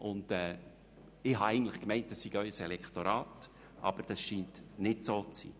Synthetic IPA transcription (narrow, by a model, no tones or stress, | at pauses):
ʔʊndɛː | ɪhɑɛɪn̩tlɪχkmɛɪnt̚d̥ɑssiɡœʏsɛlɛkχt̪oɾɑːt | ʔɑ̰b̥əɾd̥ɑsʃiːntnɪtsoːt͡sḭː